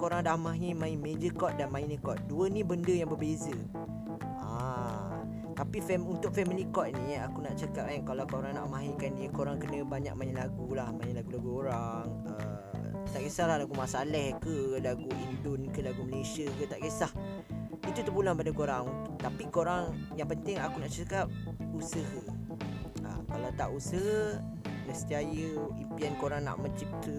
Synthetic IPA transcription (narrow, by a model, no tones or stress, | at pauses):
koɾaŋdahmãɦimãimed͡ʒəkɔt̪̚danmãinikɔt̪̚duənĩbəndəjaŋbərbezə | a | t̪apifɛmunt̪ʊk̚fɛmilikɔt̪̚niakunaʔt͡ʃakap̚ainkalawkoɾaŋna̰ʔmãɦikaniəkoɾaŋkənə̃baɲa̰k̚mãĩlaɡulahmãĩlaɡulaɡuoɾaŋ | əmt̪aʔɡesahlahlaɡumasalɛhkəlaɡuʔindʊnkəlaɡuməlesiəkət̪aʔɡesah | it̪ut̪əbulanpadəkoɾaŋt̪apikoɾaŋjaŋpənt̪ɪŋakunaʔt͡ʃakap̚usəhə | ʔa̰kalawt̪aʔusəh | nəsə̥t̪iajəimpiɛnkoɾaŋna̰ʔmə̃t͡ʃip̚t̪ə